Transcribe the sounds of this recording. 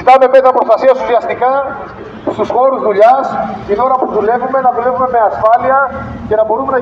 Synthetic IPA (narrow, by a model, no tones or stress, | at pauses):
it̪ɐme̞met̪ɾɐpɾost̪ɐsiɐsusiɐst̪ikɐ | st̪usxo̞ɾuzðuʎɐscit̪oɾɐpuðule̞vume̞nɐðule̞vume̞me̞ɐsfɐliɐ | ce̞nɐbo̞ɾume̞nɐ